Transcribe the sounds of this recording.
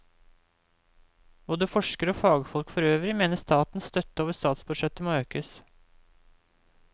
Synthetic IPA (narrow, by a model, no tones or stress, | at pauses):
b̥oːd̪əfɔʂkəɾoːfɑːɡfɔlkfɔɾøːʋɾɪmeːnəst̪ʰɑːt̪n̩st̪œt̪ːəoːʋəst̪ɑːt̪sbʉd̪ʃɛt̪əmoːøːkəs